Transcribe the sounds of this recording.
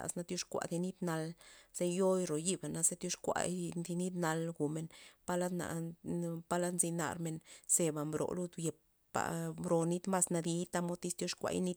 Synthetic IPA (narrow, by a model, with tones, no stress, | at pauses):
a̰˧sna˧t̪ju˦ʂkʷa̰˧˨d̪i˧ni˦d̪na˧lz̥e˦jo˦jɾo˨ji˦ba˨na˧ze˦t̪ju˦ʂkʷa̰˧d̪i˧ni˦d̪na˧lɡu˨me˧npa˦la˦d̪na̰˨ | pa˦la˦nzi˧na̰˧ɾme˧nse˧ba˨mbɾo̰˨lu˧d̪je˨p̚ | pa̰˨mbɾo˧ni˦t̪ma˦sna˧d̪i˧t̪a˧mo˦t̪i˧st̪jo˦ʂkʷa̰˧jni˦